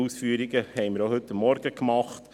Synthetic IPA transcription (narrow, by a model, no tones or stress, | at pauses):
usfyːəɾiɡəhɛɪməɾohɵtːɑmːɔɾɡəkmɑχt